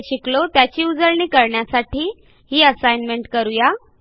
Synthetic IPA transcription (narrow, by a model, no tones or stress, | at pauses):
ɕiklot̪jat͡ɕiːud͡zəɾɳiːkəɾɳjasaʈiː | ɦiːəsajnmeɳʈkəɾuja